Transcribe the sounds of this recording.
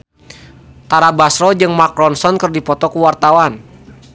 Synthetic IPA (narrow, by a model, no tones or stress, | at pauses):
t̪aɾabasɾɔd͡ʒɨŋmakɾɔnsɔnkərdipɔt̪ɔkuwart̪awan